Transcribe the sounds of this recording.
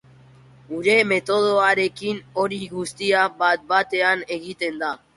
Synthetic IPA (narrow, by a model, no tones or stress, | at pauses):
uɾe̞me̞t̪oð̞oaɾe̞kinoɾiɣust̪iabat̪̚bat̪e̞ane̞ɣit̪e̞nd̪a